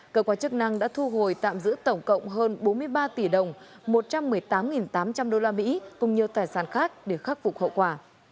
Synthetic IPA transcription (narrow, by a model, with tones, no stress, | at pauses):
kəː˧˩kwaː˧˦t͡ɕk̚na˧ŋɗa̰ː˧˥t̪ʰu˧ɦo˨˩jt̪a̰ː˧˨mzɨ̰˧˥t̪ə˧˩wŋ͡mkə̰˧˨wŋ͡mɦəː˧nɓo˨˦nmɨ˧əjɓaː˧t̪i˧˩ɗə˨˩wŋ͡m | mo˨˩t̚t͡ɕa˧mːɨ˨˩əjt̪aː˨˦mŋi˨˩nt̪aː˨˦mt͡ɕa˧mɗo˧laː˧mḭ˧˥kʊ˨˩ŋ͡mɲi˨˩əwt̪aː˨˩jsaː˧˩nxaː˦˥k̚ɗe˧˩xaː˦˥k̚fʊ̰˨˩k͡p̚hə̰˧˨wkwaː˧˩